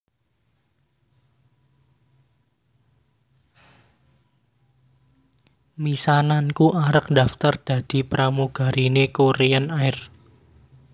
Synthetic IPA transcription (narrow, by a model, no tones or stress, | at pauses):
misanankuʔaɾək̚d̪a̤ft̪ərd̪̥ä̤d̪̥i̤pɾamuɡ̥a̤ɾinekoɾeanaɪr